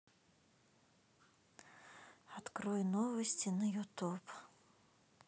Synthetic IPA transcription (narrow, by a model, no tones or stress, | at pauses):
at̪kɾɔjnɔvɐsʲt͡sʲinɐjut̪up